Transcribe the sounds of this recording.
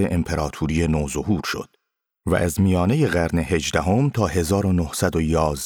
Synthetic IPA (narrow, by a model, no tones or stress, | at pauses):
eʔempʰe̞ɾɒːt̪ʰuːɾiːjenoːzo̞ɦuːɾʃo̞̰d̪̥ | væ̰ʔæzmijɒːne̞je̞ɣæɾne̞he̞d͡ʒd̪æɦo̞mt̪ʰɒːɦe̞zɒːɾo̞nohsæd̪o̞jɒːz